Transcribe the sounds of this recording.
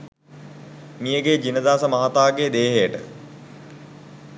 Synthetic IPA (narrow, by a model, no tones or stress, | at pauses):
mijəɡed͡ʒinəd̪aːsəmaɦat̪aːɡed̪eːɦejəʈə